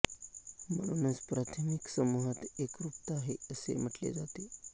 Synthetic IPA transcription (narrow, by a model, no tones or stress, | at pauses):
m̤əɽ̃uːnət͡spɾat̪ʰəmiksəmuɦat̪ekɾupt̪aɦeəsḛm̤əʈlḛd͡zat̪e